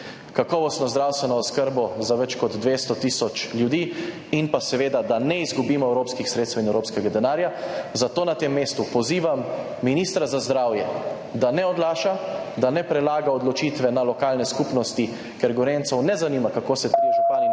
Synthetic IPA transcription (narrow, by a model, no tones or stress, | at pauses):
kakɔːʋɔst̪nɔzd̪ɾawst̪ʋɛnɔːskəɾbɔzaʋɛt͡ʃkɔd̪d̪ʋeːst̪ɔt̪iːsɔt͡ʃljud̪iː | inpasɛʋeːd̪ad̪anɛizɡubiːmɔɛwɾoːpskixsɾet̪st̪ɛwinɛwɾoːpskɛɡad̪ɛnaːɾjazat̪oːnat̪eːmːeːst̪upɔziːʋamː | iniːst̪ɾazazd̪ɾaːwjɛ | d̪anɛɔd̪laːʃa | d̪anɛpɾɛlaːɡaɔd̪lɔt͡ʃiːt̪ʋɛnalɔkaːlnɛskupnɔst̪i | kɛɾɡɔɾent̪sɔwnɛzaniːmakakoːsɛt̪ijʒupaːni